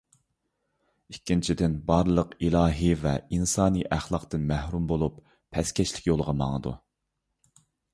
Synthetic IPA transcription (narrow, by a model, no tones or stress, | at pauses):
ikʲːint͡ʃʰid̪ɪnbɑɾlˠəqilˠɑːɦivɛinsɑːniʔæχlˠɑqt̪ɨnmæhɾumbolˠupʰː | ɛskʲɛʃlɪ̥kʲjolˠəʁɑmɑ̰ŋəd̪ṵ